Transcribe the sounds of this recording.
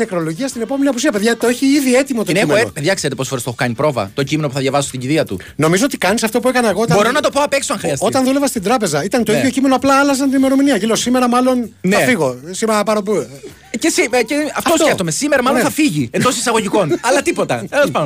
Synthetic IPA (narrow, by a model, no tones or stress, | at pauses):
nekɾo̞lo̞ʝiɐst̪ine̞po̞me̞niɐpusiɐpe̞ðʝɐt̪oeçiiðie̞t̪imot̪oneimeopeðʝɐkse̞ɾet̪eosfoɾest̪exokɐnipɾo̞vɐ̰t̪o̞cime̞no̞puθɐðʝjɐvɐso̥st̪iɟiðiɐt̪ṵ | no̞mizo̞ot̪ikɐnisɐft̪o̞pue̞kɐnɐeɣot̪bo̞ɾo̞nɐt̪o̞poɐpe̞ksoɐŋxɾiɐso̞t̪ɐnðulevɐst̪ind̪ɾɐpe̞zɐit̪ɐnt̪oiðʝo̞cime̞noɐplɐɐlɐzɐnt̪inime̞ɾo̞miniɐʝilo̞sime̞ɾɐmɐlo̞nnɐfiɣo̞simeɾɐpɐɾopu | cesiceɐft̪osoet̪omesimeɾɐmɐloθɐfiʝiend̪o̞sisɐɣo̞ʝikonɐlɐt̪ipo̞t̪ɐ̰elɐspɐno